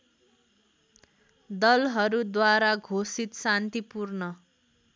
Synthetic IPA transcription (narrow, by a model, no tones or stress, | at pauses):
d̪ʌlɦʌɾud̪waɾaɡʱosit̪sant̪ipurnʌ